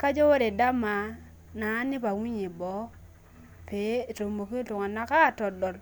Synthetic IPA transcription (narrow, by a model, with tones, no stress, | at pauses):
ka˦d͡ʒo˦wo˦ɾe˨da˦ma˨ | na˨˦ni˦pa˨wi˦ɲi˨bo˨˦ | peː˨˦to˨mbo˨ki˦tu˨ŋa˨na˦ka˦˨to˨do˨l